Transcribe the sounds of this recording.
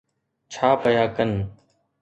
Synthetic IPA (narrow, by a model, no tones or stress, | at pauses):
t͡ʃʰaːpəjaːkən